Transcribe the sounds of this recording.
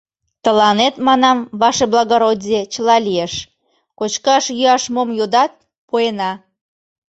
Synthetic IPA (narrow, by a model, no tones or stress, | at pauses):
t̪əlɑnet̪mɑnɑmβɑʃeblɑɣoɾodʲet͡ɕəlɑlijeʃ | kot͡ɕkɑʃjyɑʃmomjod̪ɑt̪̚ | poenɑ